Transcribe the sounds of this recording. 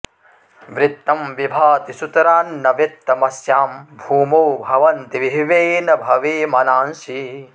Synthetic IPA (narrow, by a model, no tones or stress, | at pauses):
ʋɾɪt̪ːɐmʋibʱaːt̪isut̪ɐɾaːnːɐʋit̪ːɐmɐsjaːmbʱuːmoːbʱɐʋɐnt̪iʋiɦʋeːnɐbʱɐʋeːmɐnaːnʃi